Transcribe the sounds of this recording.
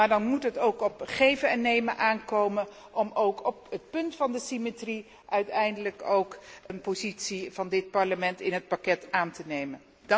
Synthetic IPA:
aːɹdɑnmutɦətowkɔpχejvəɛnejməʔaːnkowmən | ʔɔmowkɔpət̚pɵntfɑndəsimetri | ʔœɥtɛjndələkowkənpozitsiv̥ɑndɪt̚pɑɹləmɛntɪnət̚pakɛtaːntənejmən

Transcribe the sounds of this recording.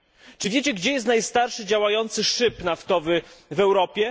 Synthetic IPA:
t͡ʂɘvʲjet͡ɕɛɡd͡ʑɛjɛst̪najst̪aɾʂɘd͡ʑawajɔnt̪sɘʂɘpnaft̪ɔvɘvɛwɾɔpʲjɛ

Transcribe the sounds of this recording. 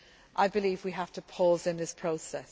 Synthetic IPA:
ʔaɪbɪliːvwiɦaftəpʰɔːzɪ̃nðɪspʰɹ̥oʊsɛs

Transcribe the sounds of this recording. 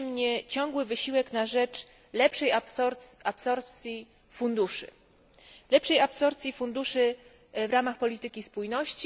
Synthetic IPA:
mɲɛt͡ɕɔ̃ŋɡwɘvɘɕiwɛknaʐɛt͡ʂ | lɛpʂɛj | apsɔɾp̚t̪sʲji | fund̪uʂɘ̰ | lɛpʂɛjapsɔɾpt̪sʲjifund̪uʂɘ | vɾamaxpɔlʲit̪ɘkʲispujnɔɕt͡ɕi

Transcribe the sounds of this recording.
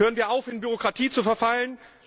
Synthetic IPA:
høːʁənviːɐʔaʊfhɪnbyʁ̞okʁ̥atʰiːt͡sufɛɐfalən

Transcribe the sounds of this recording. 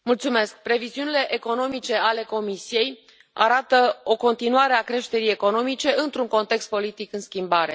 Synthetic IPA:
mult̪sume̞sk̚pɾe̞viziunile̞ʔeko̞no̞mit͡ʃe̞ale̞ko̞misije̞j | a̰ɾat̪əo̞ko̞nt̪inuaɾe̞akɾe̞ʃt̪e̞ɾije̞ko̞no̞mit͡ʃe̞ɨnt̪ɾuŋko̞nt̪e̞kst̪̚po̞lit̪ikɨnskʲimbaɾe̞

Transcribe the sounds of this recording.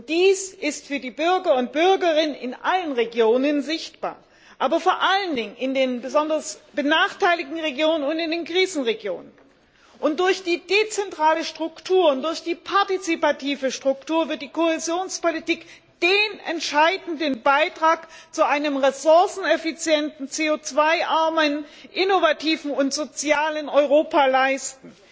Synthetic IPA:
ʊnt̚d̥iːsʔɪstfyːɐdiːbʏɐɡɐʊnt̚b̥ʏɐɡɐʁɪnənɪ̰nʔalənʁeɡjoːnənzɪçtb̥a̰ːɐ | ʔaːbɐfoːɐʔaləndɪŋənʔɪndeːnbəzɔndɐsb̥ənaːχtʰaɪlɪɡŋ̩ʁeɡjoːnənʊntɪndeːnkʁ̥iːzn̩ʁeɡjo̰ːnən | ʔʊnt̚d̥ʊɐçd̥iːd̥et͡sɛntʁ̥aːləʃtʁ̥ʊktʰuːɐʊntd̥ʊɐçd̥iːpʰaɐtit͡sipatʰiːvəʃtʁ̥ʊktʰuːɐvɪɐt̚d̥iːkʰoɛzjoːnspolitiːk | d̥eːnɛ̰ntʃaɪdn̩dənbaɪtʁ̥aːkt͡suʔaɪnəmʁezʊɐsn̩ɛfit͡sjɛntn̩t͡seːot͡sv̥aɪʔaɐmənʔɪnovatʰiːvn̩ʊntz̥ot͡sjaːlənɔʏʁoːpalaɪstn̩

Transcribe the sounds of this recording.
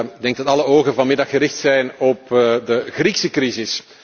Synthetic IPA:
ɡ̚dɛŋɡ̚dɑtɑləoːɣənvɑnmɪdɑxːəɾɪxtsɛjnɔpdəɣriksəkrizɪs

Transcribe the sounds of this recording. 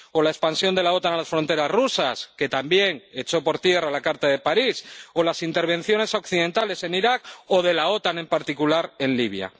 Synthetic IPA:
o̞laespansjo̞nd̪e̞lao̞t̪analasfɾo̞nt̪e̞ɾazrusaske̞t̪ambje̞ŋe̞t͡ʃo̞po̞ɾt̪je̞ralakaɾt̪aðe̞paɾiso̞lasint̪e̞ɾβ̞ẽ̞n̟θjo̞ne̞so̞kθiðẽ̞nt̪ale̞se̞niɾako̞ð̞e̞lao̞t̪anẽ̞mpaɾt̪ikulaɾe̞nliβ̞ja̰

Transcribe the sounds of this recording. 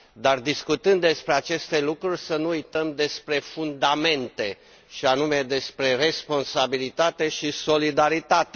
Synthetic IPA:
d̪ard̪iskut̪ɨnd̪ːe̞spɾeat͡ʃe̞st̪e̞lukɾurʲsənuujt̪əmd̪e̞spɾe̞fund̪ame̞nt̪e̞ | ʃianume̞d̪e̞spɾe̞re̞spo̞nsabilit̪at̪e̞ʃiso̞lid̪aɾit̪at̪e

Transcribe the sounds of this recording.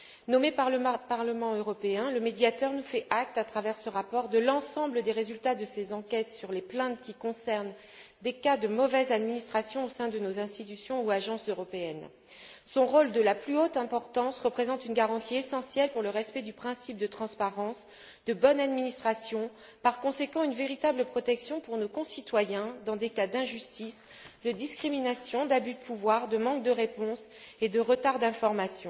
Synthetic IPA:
nɔmepaʁləpaʁləmɑ̃øʁɔpeɛ̃ləmed̪jat̪œʁnufɛʔak̚t̪at̪χavɛʁsəʁapɔʁd̪əlɑ̃sɑ̃bləd̪eʁezylt̪ad̪əsezɑ̃kʲɛt̪syʁleplɛ̃t̪̚kʲikɔ̃sɛʁn | d̪ekad̪əmɔvɛzad̪minist̪χasjɔ̃osɛ̃d̪ənozɛ̃st̪it̪ysjɔ̃uaʒɑ̃søʁɔpeɛn | sɔ̃ʁold̪əlaplyot̪ɛ̃pɔʁt̪ɑ̃sʁəpχezɑ̃t̪ynɡaʁɑ̃t̪ʰiesɑ̃sjɛlpuʁləʁɛspɛd̪ypχɛ̃sip̚d̪ət̪χɑ̃spaʁɑ̃s | d̪əbɔnad̪minist̪χasjɔ̃ | paʁkɔ̃sekɑ̃ynveʁit̪abləpχɔt̪ɛksjɔ̃puʁnokɔ̃sit̪wajɛ̃d̪ɑ̃d̪ekad̪ɛ̃ʒyst̪is | d̪əd̪iskχiminasjɔ̃d̪abyd̪əpuvwaʁd̪əmɑ̃k̚d̪əʁepɔ̃s | ed̪əʁət̪aʁd̪ɛ̃fɔʁmasjɔ̃

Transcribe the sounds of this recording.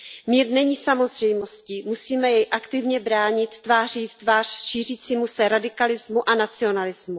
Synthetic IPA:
miːɾnɛɲiːsamo̞zr̝ɛjmoscimusiːmɛjɛjʔakt̪ɪvɲɛbɾaːɲɪt̪ːvaːriːft̪vaːr̝̥ʃiːr̝iːt͡siːmusɛɾadɪkalɪzmuʔanat͡sɪo̞nalɪzmu

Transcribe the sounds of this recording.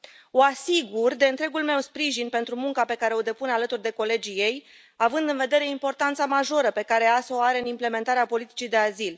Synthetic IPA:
oasiɡurd̪e̞ɨnt̪ɾe̞ɡulme̞wspɾiʒinpe̞nt̪ɾumuŋkape̞kaɾe̞o̞d̪e̞punalət̪urd̪e̞ko̞le̞d͡ʒije̞j | avɨnd̪ɨnve̞d̪e̞ɾe̞impo̞rt̪ant̪samaʒo̞ɾəpe̞kaɾe̞asooaɾeɨnimple̞me̞nt̪aɾeapo̞lit̪i̥t͡ʃid̪e̞azil

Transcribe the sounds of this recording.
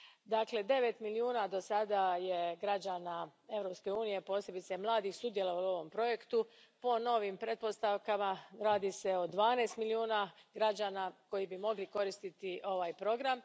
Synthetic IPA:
d̪aːkle̞d̪e̞ʋe̞t̪miliuːnaːd̪o̞sad̪ajeɡɾad͡ʑaːnae̞ʋɾo̞pske̞uːnije̞po̞ːsje̞bit̪semlˠaːd̪ixsud̪je̞lˠo̞ʋalo̞ʋompɾo̞je̞kt̪u | po̞no̞ʋimpɾe̞t̪̚po̞st̪aʋkamaɾaːd̪ise̞o̞d̪ʋaːneːst̪miliuːnaɡɾad͡ʑaːnako̞jibimo̞ɡliko̞ɾist̪it̪iʔo̞ʋaːjpɾo̞ɡɾam

